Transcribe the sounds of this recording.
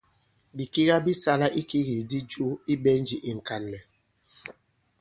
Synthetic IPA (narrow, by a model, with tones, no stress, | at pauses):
bi˨ki˦ɣa˦bi˦sa˦la˦ʔi˦ki˦ɣi˨di˦d͡ʒu˦i˦bɛ˦n˦d͡ʒi˨ʔi˨ŋ̩˨ka˨n˨lɛ˨